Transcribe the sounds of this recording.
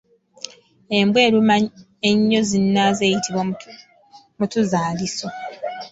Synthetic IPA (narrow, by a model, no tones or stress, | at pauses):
e̞mbwe̞ːɾuma | eɲːo̞zinːaze̞ːjitiβwa | mutuzaːliso